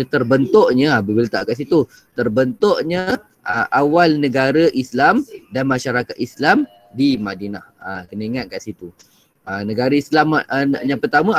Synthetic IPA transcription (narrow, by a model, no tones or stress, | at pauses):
t̪ərbənt̪oʔɲə̃abəbilat̪aʔkaʔs̬it̪u | t̪ərbənt̪oʔɲə | ʔəʔawalnə̃ɡaɾəʔislamdanmaʃaɾakat̪̚islam | dimadinahəkənəiŋat̪̚kaʔsit̪u | ənəɡaɾaislamjaŋpərt̪amə̃